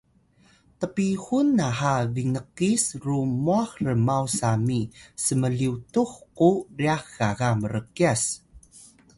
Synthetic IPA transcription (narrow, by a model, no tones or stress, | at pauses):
təpihunːaɦavinəqisrumuaxrəmawsamisəməɮiutuxquriaxaɣaməɾəkias